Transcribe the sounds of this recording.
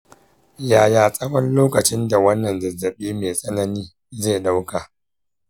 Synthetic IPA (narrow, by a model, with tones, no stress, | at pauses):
jaː˨jaː˨sʼɐ˦wɐ˦nloː˦kɐ˨t͡ʃɪ˦nda˨wɐ˦nːɐ˨nzɐ˨zːɐ˨ɓiː˦meː˨sʼɐ˦nɐ˦niː˦ | zeː˦˨ɗa˦wka˨